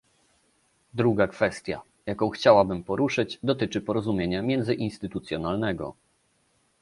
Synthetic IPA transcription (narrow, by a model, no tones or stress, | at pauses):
d̪ɾuɡakfɛst̪ʲja̰ | jakɔ̃w̃xt͡ɕawabɘmpɔɾuʂɘd͡ʑd̪ɔt̪ɘt͡ʂɘpɔɾɔzumʲjeɲamʲjɛnd̪zɘʔinst̪ɘt̪ut̪sʲjɔnalnɛɡɔ̰